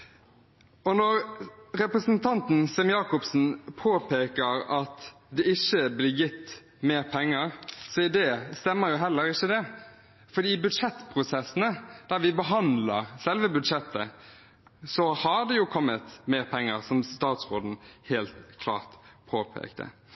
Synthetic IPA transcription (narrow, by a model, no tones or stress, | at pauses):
ɔnɔɾɾɛpɾəsənt̪ʰɑnt̪n̩sɛmjɑːkʊpsn̩pʰoːpʰeːkəɾɑt̪ | d̪ɛɪçːəblɪːjɪt̪ː | meːɾpʰɛŋːəɾsɔɪd̪ɛːst̪ɛmːəɾjʊɦɛlːəɾɪçːəd̪ɛ | fɔd̪iːbʉd̪ʂɛt̪ːpʰɾʊsɛsːənəd̪̥æɾʋɪbəɦɑnd̪ləɾsɛlʋəbʉd̪ʂɛt̪ʰːə̰ | sɔhɑd̪ɛjʊkʰɔmːət̪meːɾpʰɛŋːəɾsɔmst̪ɑːt̪sʁoːd̪n̩heːlt̪kʰlɑ̰ːʁt̪pʰoːpʰḛːkt̪ʰə̰